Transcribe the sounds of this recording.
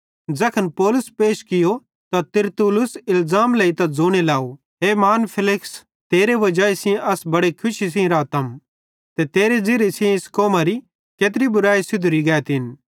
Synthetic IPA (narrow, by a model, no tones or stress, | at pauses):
d͡zɐkʰɐnpɔːlʊspeːʃkɪjo | t̪at̪ɪɾt̪ulʊsɪlzaːmleit̪ad͡zoːɽ̃elaːo | ɦeːmaːnpʰɪlɪks | t̪eːɾeʋɐd͡ʒaːisɪ̃ʔɐsbɐɽekʰʊʃis̬ĩɾaːt̪əm | t̪et̪eːɾed͡zɪɾesĩẽɪskoːmaɾi | keːt̪̬ɾibʊɾaːisɪd̪ʱʊɾiɡɛːt̪ɪn